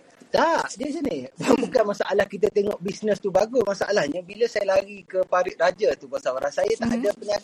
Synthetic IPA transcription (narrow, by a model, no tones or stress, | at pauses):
t̪aʔdiəs̬anibaabukanmasaʔalahkit̪̬at̪eŋɔ̃ʔbisnəst̪ubaɡumasaʔalahɲãbiləsajalaɡikəpaɾɪʔ̚rad͡ʒat̪ubasaaɾansajat̪aʔadapəɲaɡa